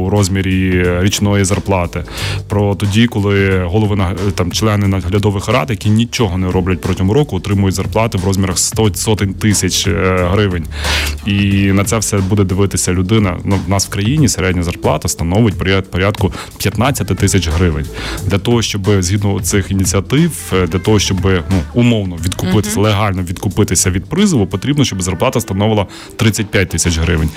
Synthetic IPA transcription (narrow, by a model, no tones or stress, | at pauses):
ɾɔzʲmʲiɾʲiɾʲit͡ʃnɔjizɐrplˠɑt̪ɪpɾɔt̪ɔdʲikɔlˠɪɦɔlˠɔʋɪnɐt̪ɑmt͡ʃlˠɛnɪnɐɦlʲɐd̪ɔʋɪxɾɑ̰t̪jɐkʲinʲit͡ʃʲɔɦɔnɛɾɔblʲɐt̚ʲpɾɔtʲɐɦʊɾɔkʊɔt̪ɾɪmʊjʊtʲzɐrplˠɑt̪ɪʋɾɔzʲmʲiɾɐxsɔsɔt̪ɪnʲt̪ɪsʲɐt͡ʃɦɾɪʋɪnʲinɐt̪sɛʋsɛbud̪ɛd̪ɪʋɪt̪ɪsʲɐlʲʊd̪ɪnɐ̰nunɑsw̥kɾɐjinʲiseɾɛdʲnʲɐzɐrplˠɑ̰t̪ɐst̪ɐnɔʋjɪt̚ʲpɔɾʲpɔɾʲad̪kʊ | pʲjɐt̪nɑt͡sʲːɐt̪ɪt̪ɪsʲɐt͡ʃɦɾɪʋɪnʲd̪lʲɐt̪ɔɦɔʃt͡ʃɔbɪzʲɦʲid̪nʊlˠɐsɪxinʲit͡sʲiɐt̪ɪwd̪lʲɐt̪ɔɦɔʃt͡ʃɔbɪnuʊmɔwnɔʋʲid̪kʊpɪt̪ɪ̥sʲɐlˠeɦɑlʲnɔʋʲid̪kʊpɪt̪ɪsʲɐʋʲid̪̚pɾɪzɪlˠʊpɔt̪ɾʲibnɔʃt͡ʃɔbzɐrplˠɑt̪ɐst̪ɐnɔʋɪlˠɐ | t̪ɾɪt͡sʲːɐt̚ʲpʲjat̚ʲt̪ɪsʲɐt͡ʃɦɾɪʋɪnʲ